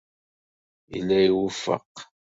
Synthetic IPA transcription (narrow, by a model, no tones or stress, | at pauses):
ḭlːæjiwufə̰q